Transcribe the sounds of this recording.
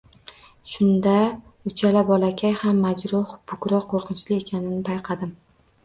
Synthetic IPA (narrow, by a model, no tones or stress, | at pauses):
ʃʊnd̪aʊt͡ʃʰalabɒlakʲʰajhamːad͡ʒɾʊhbʊkɾɒqʰoɾqʰɨnt͡ʃlɪe̞kʲʰanɪnɪpʰajqʰɑd̪ɪm